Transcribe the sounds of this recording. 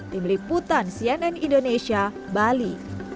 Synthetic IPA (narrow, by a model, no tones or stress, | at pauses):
t̪imliput̪ansiɛnɛnindonesia | bali